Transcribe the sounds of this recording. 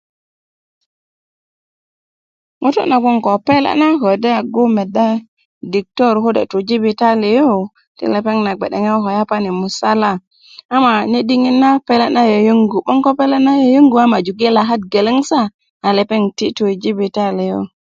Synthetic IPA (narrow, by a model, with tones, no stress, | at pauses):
ŋo˦to̰˦na˨bo˦ŋko˨pe˦la̰˦na˦ho˨de˦a˨ɡu˦me˨da˦ | di˨k̚to˦˨ɾho˦dḛ˨tu˨d͡ʒi˦bi˨ta˦li˨jo˦ | tḭ˦le˨pe˦ŋna˨ɡ͡be˨ɗḛ˨ŋa˦ɦo˨ja˦pa˦ni˨mu˨sa˦la˦˨ | a˦ma˨ne˦di˦ŋi˦nːa˦pe˦le˦na˦jo˨ju˦ŋɡu˨ɓo˦ŋko˦pe˦le˦na˦jo˨ju˦ŋɡu˨a˦ma˨d͡ʒu˨ɡe˦la˨ɦa˦t̚ɡe˨le˦ŋsa˦ | a˨le˨pe˦ŋti˦tu˨d͡ʒi˦bi˨ta˦le˨jo̰˦